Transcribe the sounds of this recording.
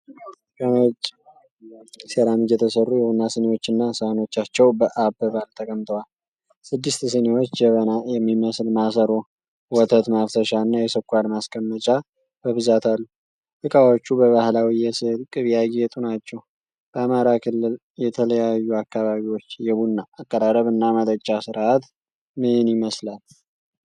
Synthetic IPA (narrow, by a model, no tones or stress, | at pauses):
kəmət͡ʃʼ | seɾamɨd͡ʒɛt̪ʰəsərːujɛhunːasənewo̞t͡ʃːɨnːasəhno̞t͡ʃːat͡ʃːɛwbəʔabəβalt̪ʰəkʼəmt̪ʰʼəwal | sɨd̪ːɨst̪sənewo̞t͡ʃːd͡ʒɛβənajɛmːiməslmasəɾo̞ | wɔt̪ʰət̪maft̪ʰəʃaɨnːajɛsəkʼʷalmaskʼəmːət͡ʃʼa | b̥əβɨzat̪ʰalːu | lɨkʼawot͡ʃːubəβahlawijɛsəlkʼɨβjaɡet̪ʼunat͡ʃːɛw | b̥əamaɾakʰɨlːɨl | jɛt̪ʰələjajːuakːaβaβiwo̞t͡ʃːjɛβunːaʔːkʼːəɾaɾəβɨnːamət̪ʼət͡ʃʼːasɨɾʔat̪ | mɨɨnjɪməslal